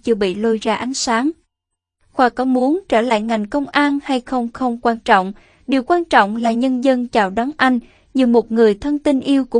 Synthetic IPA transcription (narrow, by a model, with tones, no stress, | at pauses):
t͡ɕɨ˧əɓḭ˧˨lo˧jzaː˧ʔa˨˦nsaː˨˦ŋ | xwaː˧˩kɔ˨˦mu˨˦ənt͡ɕəː˧˩la̰ː˧˨jŋa˨˩jŋ̟kə˧wŋ͡mʔaː˧nha˧jxə˧wŋ͡mxə˧wŋ͡mkwaː˧nt͡ɕɔ̰˧˨wŋ͡m | ɗi˨˩əwkwaː˧nt͡ɕɔ̰˧˨wŋ͡mlaː˨˩ɲə˧nzə˧nt͡ɕaː˨˩wɗa˨˦nʔa˧jŋ̟ | ɲɨ˨˧˩mo˨˩t̚ŋɨ˨˩əjt̪ʰə˧nt̪i˧nʔi˧əwku˧˥˨